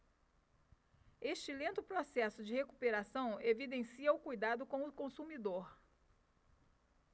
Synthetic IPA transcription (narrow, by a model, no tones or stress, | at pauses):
eʃt͡ʃɪlẽnt̪ʊpɾosɛsʊd͡ʒɪheku̥peɾasɐ̃w̃evid̪ẽsiɐʊkujd̪ad̪ʊkõw̃ʊkõsumid̪oɾ